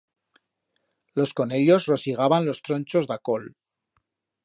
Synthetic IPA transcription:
lo̞sko̞ne̞ʎo̞zro̞siɣ̞aβanlo̞st̪ɾo̞nt͡ʃo̞zðako̞l

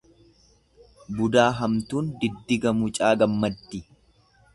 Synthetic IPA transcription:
bʊd̪aːɦɐmt̪uːnd̪ɪd̪ːɪɡɐmʊt͡ʃʼaːɡɐmːɐd̪ːɪ

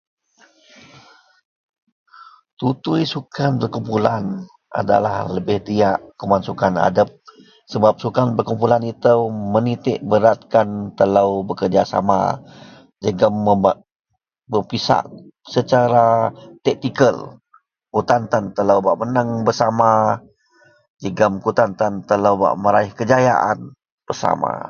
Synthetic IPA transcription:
t̪ut̪ujsukanpərkumpulan | a̰da̰la̰hləbɪhd̪iaʔkəmansukana̰dəp̚ | səbap̚sukanpərkumpulanit̪əwmənit̪ɪʔbəɾat̪̚kant̪ələwbəkərd͡ʒasa̰ma̰ | d͡ʒəɡəmːəbaʔ | bəpisa̰ʔsət͡ʃaɾat̪ɛk̚nikəl | kut̪ant̪ant̪ələwbaʔmənəŋbərsama | d͡ʒəɡəmkut̪ant̪ant̪ələwba̰ʔməɾaɪhkəd͡ʒaja̰ʔa̰n | b̥ərsa̰ma̰

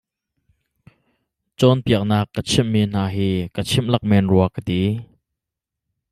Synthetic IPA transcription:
t͡sɔnpiək̚naːkːət͡sʰimːiːn̥aːɦiːkət͡sʰɪmlɐk̚mɛnruɐkət̪i

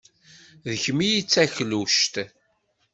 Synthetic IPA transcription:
ðəçmijit͡sːæçluʃt̪

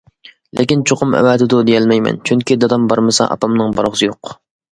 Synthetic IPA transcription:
lʔɪkʲint͡ʃʰoqʊmɛ̰wɛːt̪ɪd̪ʊd̪ejɛlmɛjmɛ̰nt͡ʃʰyŋkʲid̪ɑd̪ɑmbɑɾmɨsɑ̰ʔɑ̰pɑmnɨŋbɑɾʁsɨjoq

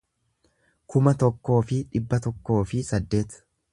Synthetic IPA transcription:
kʊmɐt̪ɔkːo̞ːfɪᶑɪbːɐt̪ɔkːo̞ːfɪsɐd̪ːe̞ːt̪

